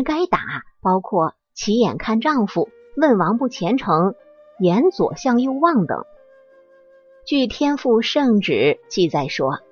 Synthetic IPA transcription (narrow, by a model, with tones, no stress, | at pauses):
ka˥ɪt̪a˨˩˦pɑ˥ʊkʰwɔ˥˩ | t͡ɕʰi˧˥jɛ̰˨˩nkʰa˥˧nʈ͡ʂɑ˥˩˧ŋfu˨˩ | wə˥˩nwɑ˧˥ŋpu˥˩t͡ɕʰjɛ˧˥nʈ͡ʂʰɤ˧˥ŋ | jɛ˧˥nt͡swɔ̰˨˩ɕjɑ˥˧ŋjo˥˧ʊwɑ˥˩ŋt̪ɤ̰˨˩˦ŋ | t͡ɕy˥˩t̪ʰjɛ˥nfu˥˧ʂɤ˥˩ŋʈ͡ʂɻ̩˨˩˦t͡ɕi˥˧t͡sa˥˩ɪʂwɔ˥